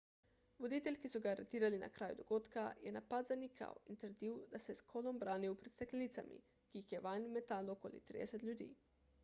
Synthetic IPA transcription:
ʋod̪iːt̪ɛlʲkisuɡaːɾet̪iːɾalina̰kɾʔaːjṵd̪oɡoːt̪kajɛnapad̪zanikʰa̰wint̪əɾd̪iwd̪asɛskʰolombɾaːniupɾit̪st̪eklʲenit̪samḭ | kiːxjɛʋajnmet̪alokolḭt̪ɾḭd̪ɛsɛt̪lʲjud̪ḭː

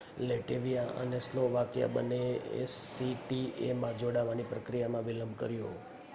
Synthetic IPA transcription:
leʈeʋijaʔə̰nesloʋakja̰bəneḛsiʈiemãd͡ʒoɽaʋanipɾəkɾijamãʋiləmbʱkəɾjo

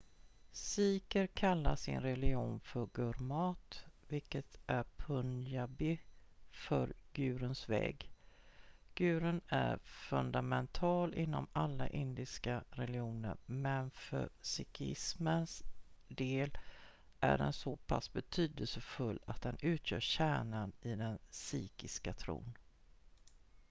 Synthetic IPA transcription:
siːkəɾkʰalːaʂɪ̰nɾɛlɪuːnfœɾɡɵɾmɑːt̪vɪlkət̪ʔæɾpʰɵnjabɪfœɾɡʉ̟ːɾənsvɛ̰ːɡ | ɡ̥ʉ̟ːɾənæɾfɵnd̪amɛnt̪ʰɑːlʔɪnːɔmalːaʔɪnd̪ɪskaɾɛlɪuːnə̰ɾmɛnfœ̰sɪkʰɪ̰smənsd̪eːl | ʔæ̰ɖɛ̰nsopʰasːbɛt̪ʰyːd̪əlsəfɵlːat̪̚d̪ɛnʉ̟ːt̪ʰjœːɕæːɳanɪd̪ɛnsyːkɪskat̪ʰɾṵːn

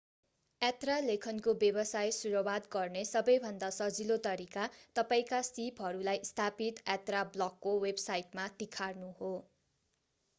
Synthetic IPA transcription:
at̪ralekʰʌnkobjebʌsajsuɾowad̪ɡʌrnesʌbʌjbʱʌnd̪asʌd͡zilot̪ʌɾikat̪ʌpaĩkasipɦʌɾulajst̪ʰapit̪at̪rablʌkːowebsajʈmat̪ikʰarnuho

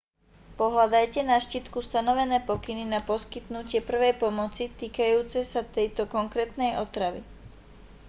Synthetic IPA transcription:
pɔɦlad̪ajcɛnaʃcit̪kust̪anɔʋɛnɛːpɔkininapɔskit̪nucɪɛpr̩ʋɛjpɔmɔt͡sit̪iːkajuːt͡sɛsat̪ɛjt̪ɔkɔŋkɾɛːt̪nɛjʔɔt̪ɾaʋḭ

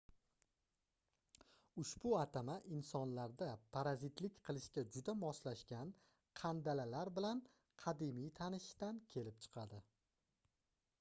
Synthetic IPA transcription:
ʊʃbʊat̪ʰamaʔɪnsɒnlaɾd̪apʰaɾazɪt̪lɪkʲqʰɨlˠɪʃkʲad͡ʒʊd̪amɒslaʃkʲan | qʰɑnd̪alalaɾbɪlan | qʰɑd̪ɪmijt̪ʰanɪʃt̪ankʲʰelɪp̚t͡ʃʰɨ̥qʰɑd̪ɪ

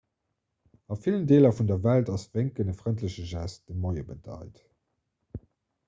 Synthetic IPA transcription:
ɑfiləndeːlɐfundɐvæltɑsv̥eŋkənəfʁəntləɕəʒæst̚d̥əmoɪəbədɑ̰ɪt

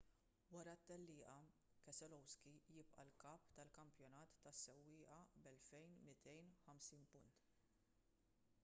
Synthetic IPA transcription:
wɐɾɐt̪ːɛlːɪːʔɐ | kɛsɛlɔwskijɪpʔɐ̰lkɐːpt̪ɐlkɐmpjɔnɐːt̪ːɐsːɛwːɪːʔɐbɛlfɛjnmɪt̪ʰɛjnħɐmsiːnpʊnt̪

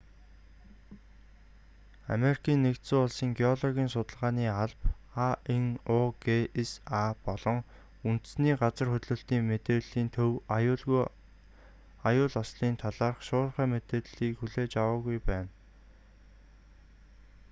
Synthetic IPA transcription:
a̰meɾi̥kʰiːnːekt̪suːʊɮsiːŋɡeɔɮɔɣʲiːnsʊt̪ə̆ɮʁaːniːaɮp | aeŋɔɡeesapɔɮɞ̆ŋ | unt̪sniːɢat͡sə̆rxɵt̪ɮɵ̆ɬt̪iːŋmet̪eːɮiːnt̪ʰɵw | ajʊːɮɔsɮiːnt̪ʰaɮaːrχʃʊːɮχæːmet̪eːɮiːkxuɮeːt͡ɕawaːɣujpæːn

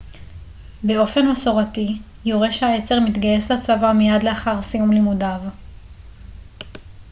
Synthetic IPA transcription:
beo̞fe̞nmaso̞ʁati | joʁeʃehajet͡se̞ʁmit̪ɡaje̞slat͡savamijadleaχaʁsijumlimudav

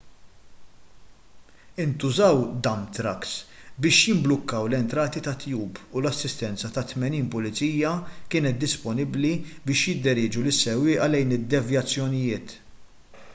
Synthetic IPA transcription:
ɪnt̪ʊzɐwd̪ɐmt̪ɾɐksbɪːʃjɪmblʊkːɐwlɛnt̪ɾɐːt̪it̪ɐt̪juːbʊlɐsːɪst̪ɛnt͡sɐt̪ɐt̪mɛniːnpʊlɪt͡siːjɐkɪːnɛt̪̚d̪ːɪspɔnɪblibɪːʃjɪd̪ːɪɾɪːd͡ʒulɪsːɛwːɪːʔɐlɛjnɪd̪ːɛvjɐt͡sːjɔnɪjɪːt̪

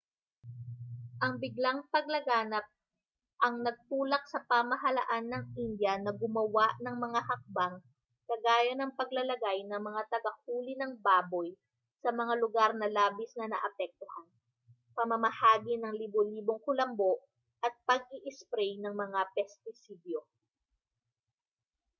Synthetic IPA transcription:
ʔɐŋbɪɡlaŋpɐɡ̚lɐɡaːnɐp̚ | ʔɐŋnɐɡ̚t̪uːlɐk̚sɐpamɐɦɐlɐʔanːɐŋʔind̪jɐnɐɡʊmɐwaʔnɐŋmɐŋahɐk̚baŋ | kɐɡaːjɐnɐŋpɐɡlɐlɐɡajnɐŋmɐŋat̪ɐɡɐkuːlɪnɐŋbaːboj | sɐmɐŋalʊɡaɾnɐlaːbɪsnɐnɐ̰ʔɐpɛk̚t̪ohan | pɐmɐmɐhaːɡinɐŋliboliːboŋkʊlɐmbo̞ʔ | ʔɐt̪̚pɐɡ̚ʔiʔɪspɾɛjnɐŋmɐŋapɛst̪ɪsid̪jo

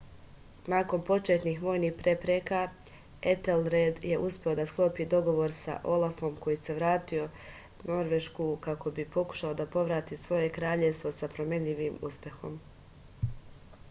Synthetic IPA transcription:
naːko̞npo̞t͡ʃet̪niːxʋo̞ːjnihpɾe̞pɾeka | et̪elɾed̪je̞ʔuspʲeo̞d̪asklˠo̞ːpid̪o̞ɡo̞ʋo̞ɾsa̰ʔo̞lafo̞mko̞jise̞ʋɾaːt̪io̞ | no̞ɾʋe̞ʃkukako̞bipo̞ku̥ʃao̞d̪apo̞ʋɾaːt̪isʋo̞je̞kɾaːʎeʋst̪ʋo̞sapɾo̞me̞ɲʎiʋimṵspʲje̞xo̞̰m

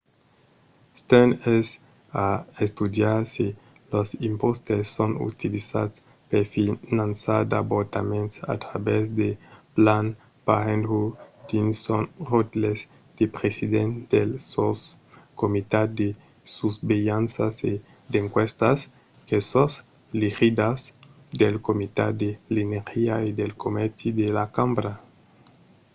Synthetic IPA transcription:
st̪ɛnes | aest̪ud̪jaɾsi | losimpost̪esːonṵt̪ilisa̰d̪s | peɾfinãnsaɾd̪aboɾt̪amẽnt̪sa̰t̪ɾabezd̪eplan | paɾẽnd̪ɾud̪insonrot̪lez | d̪̥epɾesidend̪elsos | komit̪ad̪e | suzbejansase | d̪eŋkwest̪as | kesos | lixid̪as | d̪elkomit̪a̰d̪elinexiaid̪elkʰomeɾt̪id̪elakambɾa

